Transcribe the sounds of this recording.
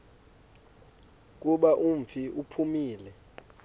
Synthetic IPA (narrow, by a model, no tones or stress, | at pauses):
k̬ʼuɓaʔum̩fiʔupʰumiːlɛ